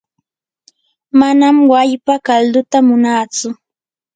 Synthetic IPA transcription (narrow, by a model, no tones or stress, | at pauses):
manamwajpakald̪ʊt̪amʊnaːt͡sʊ